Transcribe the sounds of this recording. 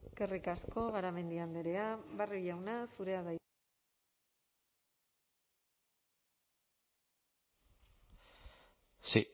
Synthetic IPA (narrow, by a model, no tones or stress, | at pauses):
kerikasko̞ɣaɾame̞nd̪iand̪eɾe̞aβarojawnasuɾe̞aða | si